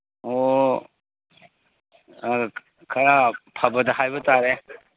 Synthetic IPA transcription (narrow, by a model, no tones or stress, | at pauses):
o | kʰɐɾapʰɐbɐdɐɦajbɐtaɾe